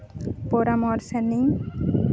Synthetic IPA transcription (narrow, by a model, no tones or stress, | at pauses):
poɾamɔɾsani